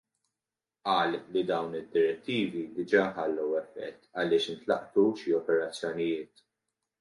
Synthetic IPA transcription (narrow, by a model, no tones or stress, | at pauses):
ʔɐːllːid̪ɐwnɪd̪ːɪɾɛt̪ːiːvid̪ɪd͡ʒɐːħɐlːɐwɛfːɛ̰t̪ːɐlɪːʃɪnt̪lɐ̰ʔt̪uʃiɔpɛɾɐt͡sːjɔnɪjɪːt̪